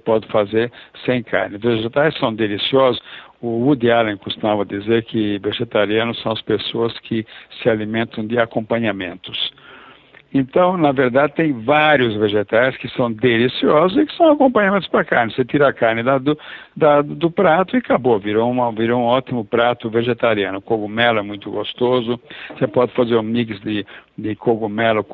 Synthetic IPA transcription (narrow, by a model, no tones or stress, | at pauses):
pɔd̪ɪfazeɾsẽj̃kʰa̰ɾnɪveʒet̪ajssɐ̃w̃d̪elisiɔzʊsʊud̪ɪalẽkost̪umavɐd̪izeɾkʰɪveʒet̪aɾiɐ̃nʊsɐ̃w̃ɐspesoɐskʰɪsɪalimẽnt̪ɐ̃w̃d̪ɪakõmpɐ̃ɲamḛ̃nt̪ʊs | ẽnt̪ɐ̃w̃nɐveɾd̪ad̪ɪt̪ẽj̃vaɾjʊzveʒet̪aɾɪskɪsɐ̃w̃d̪elisiɔzʊzɪkɪ̥sɐ̃w̃akõmpɐ̃ɲamẽnt̪ʊspɾɐkaɾnɪset̪iɾaakaɾnɪd̪ɐd̪ʊd̪ɐd̪ʊpɾat̪ʊɪkaboviɾoũmɐviɾoũɔt̪imʊpɾat̪ʊveʒet̪aɾiɐ̃nʊkoɡumɛlʊɛmũj̃t̪ʊɡost̪ozʊsepɔd̪ɪfazeɾũmiksd̪ɪd̪ɪkoɡumɛlʊ